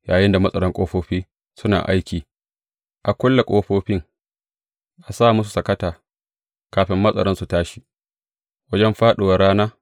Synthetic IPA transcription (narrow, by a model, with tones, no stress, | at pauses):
jaː˨jɪ˦nda˨mɐ˦sʼɐ˨ɽɔ˦ŋkʷʼoː˦ɸoː˦ɸiː˦ | sʊ˦na̰ː˨ʔa˦jkʲiː˨ | ʔa˨kʷʊ˦lːa˨kʼoː˦ɸoː˦ɸɪ˦ŋ | ʔa˨saː˦˨mʊ˦su˨sɐ˨kɐ˦taː˨ | kaː˨ɸɪ˦mːɐ˦sʼɐ̰˨ɽɔ˦nsu˨taː˦ʃi˦ʔ | wɐ˦d͡ʒɛ˦mɸaː˦ɗo˨wa˨ɽaː˦naː˦